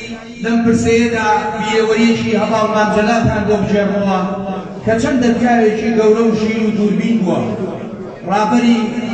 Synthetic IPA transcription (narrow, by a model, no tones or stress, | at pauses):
lɐmpɨɾsejed̪aːbieːwɐɾiet͡ʃiːɦɐvɑːlɣaːnd͡ʒɐlaːt̪ʰaːnbobɨʒeɾnuwɐ | kɐt͡ʃʰɐmd̪ɐfkaːɾeːt͡ʃiːɡɐwɾɐwʒiːɾuːd̪uːɾbiːnb̪uwɐ̰ | rɑːbɐɾiː